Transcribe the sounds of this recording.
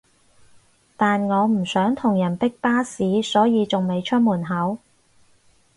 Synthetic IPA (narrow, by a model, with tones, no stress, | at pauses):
t̪aː˨nŋɔː˨˧m̩˨˩sœː˨˥ŋt̪ʰʊ˨˩ŋjɐ˨˩npɪ˥k̚paː˥siː˨˥sɔː˨˥jiː˨˧t͡sʊ˨ŋme˨˧jt͡ʃʰɵ˥t̚muː˨˩nɦɐ˨˥w